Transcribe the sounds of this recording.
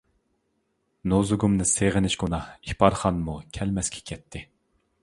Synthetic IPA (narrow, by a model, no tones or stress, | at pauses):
nozɨɡumnɨseʁɪnɪʃɡunɑhipʰɑɾχɑnmukʲʰɛlmɛskʲɛ̥kʲʰɛt̪ʰːɪ